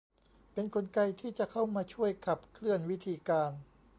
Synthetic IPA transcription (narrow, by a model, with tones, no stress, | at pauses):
pe˧nkʰo˧nka˧jt̪ʰiː˥˩t͡ɕa˨˩kʰa˥˩wmaː˧t͡ɕʰu˥˩əjkʰa˨˩p̚kʰlɯ˥˩ənwi˦˥t̪ʰiː˧kaː˧n